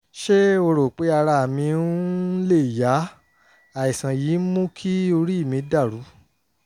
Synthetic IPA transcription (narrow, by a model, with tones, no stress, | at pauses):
ʃe˦o˧ɾo˨k͡pe˨˦a˧ɾa˧a˨mĩ˧˦le˦˨ja˨˦ | a˨i˨sã˨ji˨˦mũ˦kʰi˦o˧ɾi˦i˦˨mĩ˧˦da˦˨ɾu˨˦